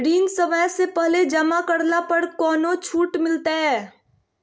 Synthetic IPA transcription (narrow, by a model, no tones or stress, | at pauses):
ɖiːnsəməjsepɛɦled͡ʒəmakəɾlapəɾkɔːnot͡ʃʰuːʈmɪlt̪aɦɛː